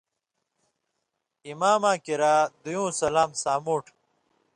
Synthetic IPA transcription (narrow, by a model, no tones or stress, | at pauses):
imaːmãːkiɾaːd̪ujũːsɐlaːmsaːmuːʈ